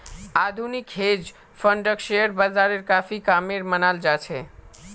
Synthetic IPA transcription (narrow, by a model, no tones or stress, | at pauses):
ad̪ʱunikɦed͡ʒ | pʰəɳɖəkʃeəɾbəld̪aɾeɾkafikameɾmənald͡ʒat͡ʃʰɛ